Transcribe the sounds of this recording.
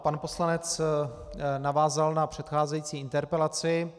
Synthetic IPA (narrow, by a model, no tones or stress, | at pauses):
panpo̞slanɛt͡s | navaːzalnapr̝̥ɛt̪xaːzɛjiːt͡siːɪnt̪ɛɾpɛlat͡sɪ